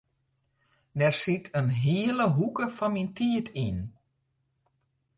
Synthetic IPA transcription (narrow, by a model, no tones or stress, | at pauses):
dɛrsitʰənɦiələɦukəfɔnmintʰiətʰin